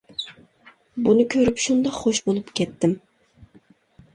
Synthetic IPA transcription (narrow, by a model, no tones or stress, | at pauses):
bunɨkʲʰøɾypʃund̪ɑqχoʃbolˠupkʲɛt̪ʰːɪm